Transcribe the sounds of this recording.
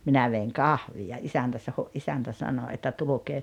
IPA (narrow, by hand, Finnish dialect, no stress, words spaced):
minæ ʋeiŋ kɑhʋij̆ɑ isæntæ sɑho ʔisæntæ sɑno etːæ tulukeː